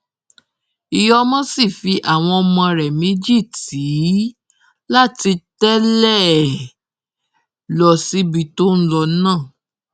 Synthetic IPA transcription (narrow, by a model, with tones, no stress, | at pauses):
i˨jɔ˦mɔ̃˦si˦˨fi˨˧˦ʔa˦˨w̃ɔ̃˧ɔ˧mɔ̃˧ɾɛ˨mĩ˨˦d͡ʒi˦˨ti˨˦ | la˦˨ti˧tɛ˦lɛ˦˨ | lɔ˧˨si˦bi˧to˦n̩˦lɔ˧˦nãː˦˨